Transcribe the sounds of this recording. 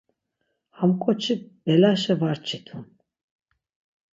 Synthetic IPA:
hamkʼɔt͡ʃʰibɛlaʃɛvaɾt͡ʃʰit̪ʰun

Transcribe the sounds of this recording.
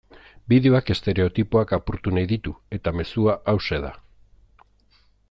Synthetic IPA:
biðeoake̞st̪e̞ɾe̞o̞t̪ipoakapuɾt̪unajðit̪ue̞t̪ame̞suaʔawse̞ð̞a̰

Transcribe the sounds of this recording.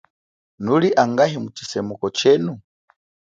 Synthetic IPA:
nuliʔaŋɡaɦimut͡ʃi̥sɛmukɔt͡ʃɛnu

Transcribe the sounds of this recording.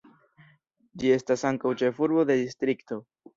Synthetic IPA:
d͡ʒie̞stasaŋkawt͡ʃe̞fuɾbo̞d̪e̞d̪istɾikto̞

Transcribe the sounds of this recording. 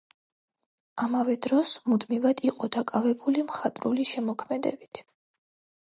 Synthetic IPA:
amavɛd̪ɾɔsmud̪mivad̪iqʼɔd̪akʼavɛbulimχat̪ʼɾuliʃɛmɔkʰmɛd̪ɛ̰bit̪ʰ

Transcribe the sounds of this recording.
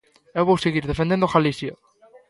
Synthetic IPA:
ewβowseɣiɾðefend̪end̪oxalisjo

